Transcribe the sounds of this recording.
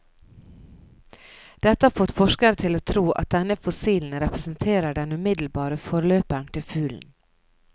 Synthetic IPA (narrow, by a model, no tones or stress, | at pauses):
d̪̥ɛt̪əhɑːɾfɔt̪fɔʃkəɾt̪ʰɪloːt̪ʰɾuːʔɑ̰t̪̚d̪ɛnəfʊsiːln̩ɾɛpɾəsn̩t̪ʰeːɾəɖɛnʉːmɪd̪l̩bɑːɾəfɔɾløːpəɳt̪ʰɪlfʉːln̩